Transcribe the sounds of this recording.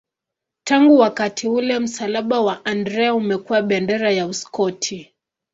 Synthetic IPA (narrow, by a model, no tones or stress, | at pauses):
taŋɡuwakatʰiulɛm̩salaɓawaʔandɾɛaumɛkuwaɓɛndɛɾajauskɔtʰi